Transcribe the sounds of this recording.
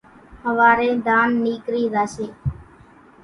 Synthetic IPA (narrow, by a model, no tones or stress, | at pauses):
həʋaːɾẽːd̪aːnːiːkɾiːɾaːseː